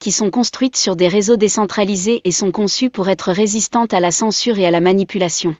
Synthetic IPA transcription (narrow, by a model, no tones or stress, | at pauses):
kʲisɔ̃kɔ̃st̪χɥit̪syʁd̪eʁezod̪esɑ̃t̪χalizeʔesɔ̃kɔ̃sypuʁɛt̪χəʁezist̪ɑ̃t̪alasɑ̃syʁealamanipylasjɔ̃